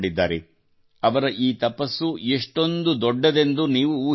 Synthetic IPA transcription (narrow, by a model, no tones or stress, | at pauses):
ɽid̪ːaːɾe | ɐʋɐɾɐʔiːt̪ɐpɐsːueʂʈo̞nd̪ud̪ɔɖːɐd̪e̞nd̪uniːʋuuː